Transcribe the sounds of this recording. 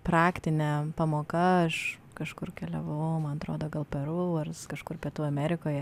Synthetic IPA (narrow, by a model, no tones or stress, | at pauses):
pɾɑːkt̪ʲɪnʲɛpɐmoːkɐɐʃ | kɐʃkʊrkʲɛlʲɛʋɐʋɐmɐnɐt̪ɾoːd̪oːɡɐlˠpʲɛɾuːɐrskɐʃkʊrpʲiɛt̪uːɐmʲæːɾʲɪkoːjɛ